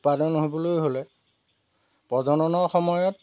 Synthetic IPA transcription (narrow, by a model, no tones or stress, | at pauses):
padɔnɦobɔlojɦolɛ | pɔdʱɔnɔnɔɹxɔmɔjɔt